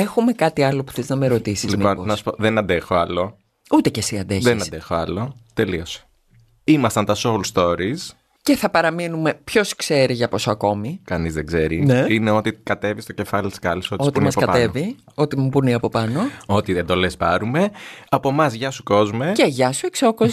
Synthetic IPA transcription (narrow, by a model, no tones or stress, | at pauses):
e̞xume̞kɐt̪iɐlo̞pu̥θeznɐmeɾo̞t̪isizliiononɐsu̥poðenɐnd̪exoɐlo̞ | ut̪e̞ce̞siɐnd̪eçðenɐnsd̪exoɐlo̞t̪e̞lio̞se̥ | imɐst̪ɐnt̪ɐsolst̪o̞ɾis | ce̞θɐpɐɾɐminume̞pço̞skse̞ɾiʝɐpo̞soɐko̞mikɐnizðeɡzeɾineineo̞t̪ikɐt̪e̞vist̪oce̞fɐlit̪i̥skɐlisoot̪imɐsɐkɐɐe̞vi | o̞t̪imupuniɐpo̞pɐno̞ot̪iend̪o̞lespɐɾume̞ɐpo̞mɐzʝɐsuko̞zmeceʝɐsueksokoz